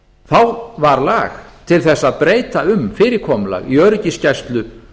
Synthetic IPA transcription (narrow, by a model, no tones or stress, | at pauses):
θawvaɾlaːxt̪ʰɪlθɛsːaðpɾeːjt̪aʏmfɪːɾɪkʰɔːmʏla̰ɣiœːɾʏcɪscajst̪lʏ